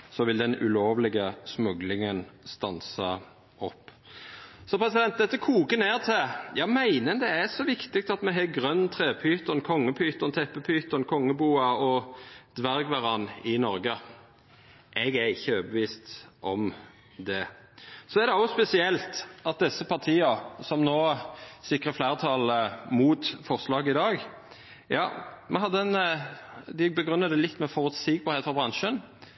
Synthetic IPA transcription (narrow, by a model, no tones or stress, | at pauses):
sɔʋɪld̪ɛnʉ̰loːʋlɪɡəsmʉɡlɪŋənst̪ɑnsə | ɔpː | sɔpʰɾɛsɪd̪ɛnt̪̚d̪ɛt̪ːəkʰuːkəneːʁt̪ʰɪjɑmæɪnənd̪ɛæsɔʋɪkt̪ɪk̚t̪ɑt̪mɛɦɛɡʁœnːt̪ʰʁeːpʰyːt̪ənkʰɔŋːəpʰyːt̪əʁnt̪ʰɛpːəpʰyːt̪ənkʰɔŋːəbuːɑɔd̪ʋæɾɡʋɑʁɑnːɪnɔɾɡə | ʔɛɡæɾɪçːəøːbəʋiːst̪ʔɔm | d̪ɛsɔæɾd̪ɛɔspɛsɪɛlt̪ɑt̪̚d̪ɛsəpʰɑʁt̪ʰiːɑsɔmnoːsɪkʁəflæːʁət̪ʰɑlmuːt̪fɔʁslɑːɡəɪd̪ɑːɡ | jɑːmʔɛhɑd̪ːəɛn | d̪ɪbəɡʁʉnːəd̪ɛlɪt̪ːmɛfɔʁʉt̪siːɡ̚bɑʁeːt̪fɔʁbʁɑnʃən